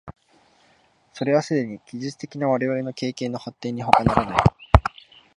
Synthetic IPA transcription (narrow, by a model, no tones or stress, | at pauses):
so̞ɾe̞βasɨd̪e̞ɲ̟ikʲiʑit͡sɨ̥t̪e̞kʲinaβaɾe̞βaɾe̞no̞ke̞ːkẽ̞nːo̞hat̪ːẽ̞ːɲ̟ːiɦo̞kanaɾanai